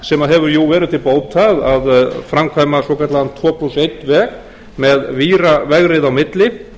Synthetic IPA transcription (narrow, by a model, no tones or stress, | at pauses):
sɛmaðɦɛvʏɾjuwvɛːɾɪðt̪ʰɪlpoːwt̪ʰaðaðfɾamkʰvaːjmasɔkʰat̪laðant̪ʰvɔːpʰlusejt̪vɛːk | mɛðviːɾavɛɣɾɪðawmɪt̪lɪ